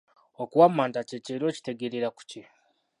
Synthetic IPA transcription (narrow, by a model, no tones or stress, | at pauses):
okuwamːaːntaceceɾo̞ːci̥te̞ɡeɾeɾaku̥ce